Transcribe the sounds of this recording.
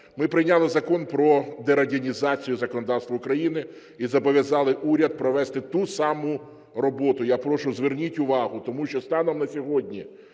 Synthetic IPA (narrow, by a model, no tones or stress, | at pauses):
mɪpɾɪjnʲɑlˠɪzɐkɔnpɾɔd̪ɛɾɐdʲɐnʲizɑt͡sʲijʊzɐkɔnɔd̪ɑwst̪ʋɐʊkɾɐjinɪ | izɐbɔʋʲjɐzɑlˠɪʔuɾʲɐd̪̚pɾɔʋɛst̪ɪt̪usɑmʊ | rɔbɔt̪ʊjapɾɔʃʊzʋɪrnʲitʲʊʋɑɦʊt̪ɔmuʃt͡ʃɔst̪ɑnɔmnɐsʲɔɦɔdʲnʲi